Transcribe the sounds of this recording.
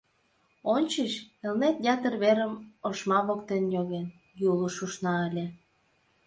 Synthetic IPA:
ont͡ɕiʃelnet̪jɑt̪ərβeɾəmoʃmɑβokt̪enjoɣen | juluʃuʃnɑəlʲe

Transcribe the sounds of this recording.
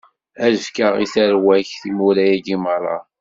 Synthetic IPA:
æʒkəʁiθæɾwæçθimuɾæjæɡiməɾˤɑ̰

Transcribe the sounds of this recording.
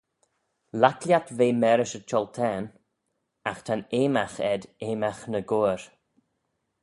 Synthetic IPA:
lakljat̪veːmɛɾəʃət͡ʃʰɔlt̪ʰɛːn | axt̪ʰaneːmaxɛd̪eːmaxnəɡoːɹ

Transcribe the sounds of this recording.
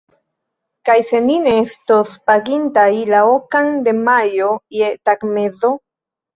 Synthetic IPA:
kajsenineest̪ospaɡint̪ailaokaŋd̪emajojet̪akmeðo

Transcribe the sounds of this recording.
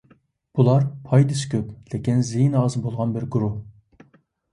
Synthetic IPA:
b̥ulˠɑɾpʰɑjd̪ɨsɪ̥kʲʰøplɪkʲinzejnɑːzbolˠʁɑnbɪɾɡuɾuh

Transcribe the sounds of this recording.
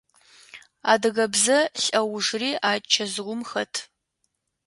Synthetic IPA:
a̰ːdɨɣɐbzɐɬʼɐwʊʐriːʔaːt͡ʃʰɐzʁʷʊmxɐtʰ

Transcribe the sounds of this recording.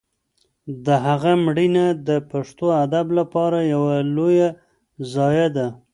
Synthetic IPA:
d̪əɦaɣamɽinad̪əpaʂt̪oad̪ablapɑɾajawaloja | zɑjad̪a

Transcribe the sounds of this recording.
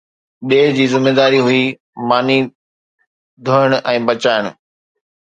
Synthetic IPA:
ɗeːɦd͡ʑiːzɪmːeːd̪aːɾiɦʊi | maːni | d̪ʱoːɪɽ̃ʔɛ̃ːbɐt͡ɕaːɪɽ̃ʊ

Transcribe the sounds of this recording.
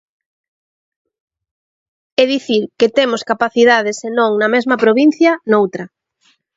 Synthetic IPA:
ɛðiθiɾket̪emoskapaθiðað̞esenõŋnɐmezmɐpɾoβin̟θjɐnowt̪ɾɐ

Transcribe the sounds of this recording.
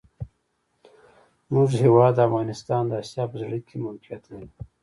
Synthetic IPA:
mʊʐhewɑːd̪ːəafɣɑnɪst̪ɑnd̪əasjɑpəzɽəkʰemalkijat̪nau

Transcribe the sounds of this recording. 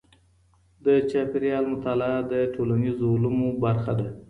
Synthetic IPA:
d̪ət͡ʃɑpɪɾjɑlmʊt̪ald̪əʈʰolanizoʊlumobaɾxad̪a

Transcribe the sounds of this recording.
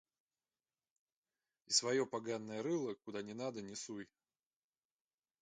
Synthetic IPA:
isvɐjopaɡanːəjəɾɨlˠəkʊd̪anʲɪnad̪ənʲɪsuj

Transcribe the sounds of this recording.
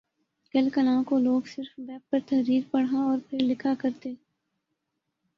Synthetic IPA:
kɐlkəlãːkoloːɡsɪɾfbɛːp̚pəɾt̪ɐɦɾiːɾpɐɽ̤aɔːɾpʰɪɾlɪkʰakɐɾt̪eː

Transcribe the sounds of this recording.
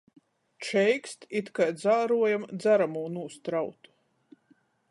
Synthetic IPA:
t͡ʃɛjkst̪it̪kajd̪zaːɾuɔjamd̪zaɾamuːnuɔst̪ɾawt̪u̥

